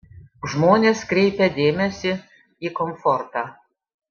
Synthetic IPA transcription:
ʒmoːnʲeːskɾʲɛɪpʲɛd̪ʲeːmʲɛsʲɪ | iːkɔmfɔɾt̪ɑː

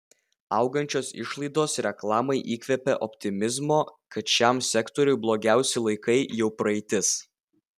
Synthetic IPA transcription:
ɐˑʊɡɐnʲt͡ʃʲoːsɪ̰ʃlˠɐɪd̪oːsɾʲɛklˠɑːmɐɪʔiːkʲʋʲɛpʲɛʔɔpʲt̪ʲɪmʲɪzmoːkɐt̪ʃʲɛˑmsʲɛkt̪ɔɾʲʊɪblˠoːɡʲæˑʊsʲɛlˠɐɪkɐɪjɛʊpɾɐɛɪt̪ʲɪs

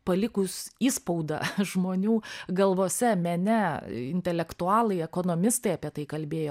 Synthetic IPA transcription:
pɐlʲɪkʊsiːspɐʊd̪ɐ̰ʒmoːnʲuːɡɐlˠʋoːsʲɛmʲɛnʲɛɪnʲt̪ʲɛlʲɛkt̪ʊɑːlˠɐɪɛkoːnoːmʲɪst̪ɐɪɐpʲiɛt̪ɐɪkɐlʲbʲeːjoː

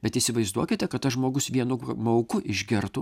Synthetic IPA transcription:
bʲɛt̪ɪsʲɪʋɐɪzd̪uɔkʲɪt̪ʲɛkɐt̪t̪ːɐʒmoːɡʊsʋʲiɛnʊmɐʊkʊʔɪʒʲɡʲɪɾt̪u

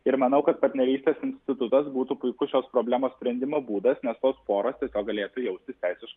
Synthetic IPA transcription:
ɪɾmɐnɐʊkɐt̪̚pɐɾʲt̪nʲɛɾʲiːsʲt̪ʲeːsɪnʲsʲt̪ʲɪt̪ʊt̪ɐsbuːt̪uːpʊɪkʊʃʲoːspɾoːblʲæːmoːsʲpʲɾʲɛnʲd̪ʲɪmoːbuːd̪ɐsnʲɛst̪oːspoːɾoːst̪ʲiɛsʲoːk̚ɡɐlʲeːt̪ujɛʊsʲt̪ʲɪsʲt̪ʲæɪsʲɪʃkɐ

